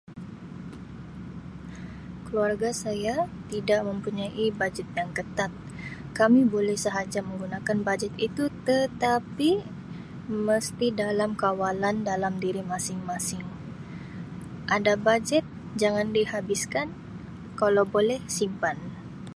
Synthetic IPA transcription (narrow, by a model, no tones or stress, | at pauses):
kəluarɡasajat̪idaʔməmpuɲaʔibad͡ʒɛt̪̚jaŋkət̪at̪̚ | kamibolɛhsəɦad͡ʒaməŋɡunakanbad͡ʒɛt̪it̪ut̪ət̪api | məst̪idalamkawalandalamdiɾimasɪŋmasɪŋ | ʔadabad͡ʒɛt̪̚ | d͡ʒaŋandihabiskan | kalawbolɛhsimpan